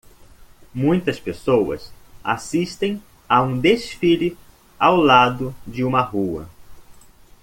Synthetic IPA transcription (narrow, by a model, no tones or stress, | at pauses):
mũj̃t̪ɐspesowɐ̰sa̰siʃt̪ẽj̃ | aũd̪esfilɪ | awlad̪ʊd͡ʒɪũmɐɦuɐ̰